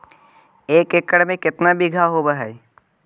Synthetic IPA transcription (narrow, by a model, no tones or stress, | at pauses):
eːkekəɽmẽkɪt̪nabiɡʱaɦobaɦɛː